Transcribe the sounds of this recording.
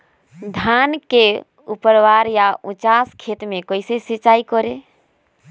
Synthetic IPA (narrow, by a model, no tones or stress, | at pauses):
d̪ʱanke | upəɾwaɾjaʔũt͡ʃaskʰet̪mẽkoisesit͡ʃaikɔɾe